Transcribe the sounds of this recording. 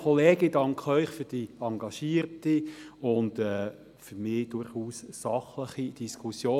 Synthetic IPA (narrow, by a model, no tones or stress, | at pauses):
kʰɔleːɡidɑŋkχœʏχfʏɾd̥iɑŋɡɑʃiːəɾtiʊndɛ | fyɾmɪːd̥ʊɾχuːssɑχləχid̥iskʰusjoː